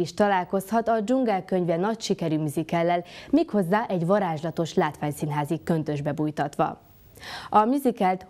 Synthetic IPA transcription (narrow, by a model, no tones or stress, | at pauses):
iʃt̪ɒlaːlko̞shɒt̪ɒd͡ʒuŋɡɛlkø̞ɲvɛnɒcʃikɛɾyːmyzikɛlːɛlmiːkho̞zːaːʔɛɟʋɒɾaːʒlɒt̪o̞ʃlaːt̪ʋaːɲsinɦaːzikːø̞nt̪ø̞ʒbɛbujt̪ɒt̪ʋɒ̰ | ɒmyzikɛlt̪